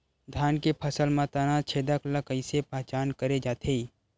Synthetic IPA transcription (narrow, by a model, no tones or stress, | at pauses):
d̪ʱaːnkepʰəsəlmãt̪añãt͡ʃʰeːd̪aklakəɪsepəɦt͡ʃaːnkəɾed͡ʒaːt̪ʰe